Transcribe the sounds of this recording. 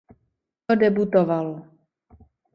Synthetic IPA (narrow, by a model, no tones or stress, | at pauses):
ɔdɛbut̪oval